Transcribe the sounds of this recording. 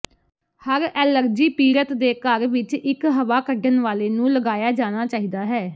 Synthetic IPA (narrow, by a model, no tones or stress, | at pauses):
həɾɛːləɾd͡ʒiːpiːɾət̪d̪eːkəɾʋɪt͡ʃɪkɦəʋaːkəɖənʋaːleːnũːləɡaːjaːd͡ʒaːɽ̃aːt͡ʃaːɦiːd̪aːɦɛː